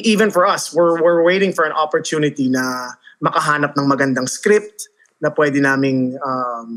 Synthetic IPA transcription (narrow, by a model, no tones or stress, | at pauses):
ʔiːvɛ̃nfɔɹʔɐswɪɹwɪɹwejɾɪ̃ŋfɔɹɐ̃nʔɔpɔɹt̪juːnɪt̪inɐmɐkɐɦaːnɐp̚nɐŋmɐɡɐnd̪ɐŋskɾɪp̚t̪̚ | nɐpwɛd̪ɪnaːmɪŋɐm